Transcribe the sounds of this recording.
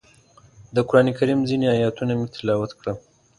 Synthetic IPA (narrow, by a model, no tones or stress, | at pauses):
d̪əkʊɾɑnekaɾimzineajɑt̪unamet̪ʰɪlɑwat̪kɽa